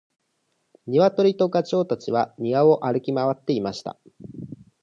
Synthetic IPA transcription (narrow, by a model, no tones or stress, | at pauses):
ɲ̟iβat̪o̞ɾʲit̪o̞ɡat͡ɕo̞ːt̪at͡ɕiβ̞amʲiɡao̞ʔaɾɯ̟kʲimaβ̞at̪ːe̞imaɕi̥t̪a̰